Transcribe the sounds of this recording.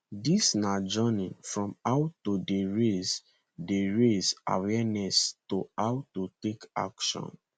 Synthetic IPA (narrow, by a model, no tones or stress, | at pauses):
disnad͡ʒɔnĩfɹɔ̃maʊtːodeɹes | deɹeza̰wɛnɛstoawtuteka̰kʃɔ̰̃n